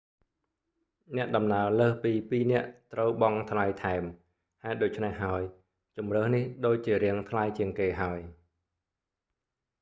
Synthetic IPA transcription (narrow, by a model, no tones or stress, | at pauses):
nɛ̆əʔɗɑmnaələːhpiːpiːnɛ̆əʔt̪rəwɓɑŋt̪ʰlajt̪ʰaɛm | haɛt̪̚ɗoːc̚t͡ɕʰnehɦaəj | t͡ɕumrəːhnihɗoːc̚t͡ɕiəɾɛəŋt̪ʰlajt͡ɕiəŋkeːɦaəj